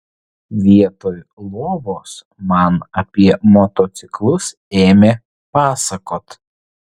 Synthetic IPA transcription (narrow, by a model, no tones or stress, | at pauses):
ʋʲiɛt̪oːjlˠoːʋoːs | mɐnɐpʲiɛmɔt̪oːt̪sʲɪklˠʊs | eːmʲeː | pɑːsɐkoːt̪